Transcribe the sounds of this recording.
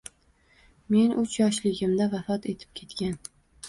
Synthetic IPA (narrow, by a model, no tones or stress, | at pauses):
me̞nʔʊt͡ʃʰjɒʃlɪɡʲɪmd̪avafɒt̪e̞t̪ʰɪ̥p̚kʲʰe̞t̪kʲan